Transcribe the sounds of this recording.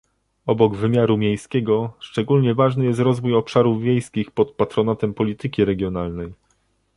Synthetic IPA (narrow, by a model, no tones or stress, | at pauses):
ɔbɔɡvɘmʲjaɾumʲjejskʲɛɡɔʂt͡ʂɛɡulɲɛvaʐnɘjɛst̪ɾɔzvujɔpʂaɾuvːʲjejskʲixpɔt̪̚pat̪ɾɔnat̪ɛmpɔlʲit̪ɘkʲiɾɛɡʲjɔnalnɛj